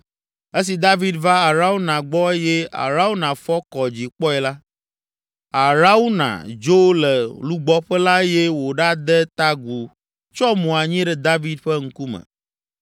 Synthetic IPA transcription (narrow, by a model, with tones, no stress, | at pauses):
e˦s̬i˨d̪a˦vi˦d̪va˦a˨ɾa˦wu˦nã˨ɡ͡bɔ˦e˦jɛ˦a̰˨ɾa˦wu˦nã˨fɔ˦kɔ˨d͡ʑi˨k͡pɔ˦ɛ˨la˦ | a˨ɾa˦wu˦nã̰˨d͡ʒo˦lɛ˨lu˦ɡ͡bɔ˦ɸɛ˦la˦jɛ˦wo˨ɖa˦d̪ɛ˦t̪a˦ɡu˨ | t͡ʃɔ˦mũ˨a˨ɲĩ˦ɖɛ˨d̪a˦vi˦d̪ɸɛ˦ŋ̩˦ku˦mɛ̰̃˨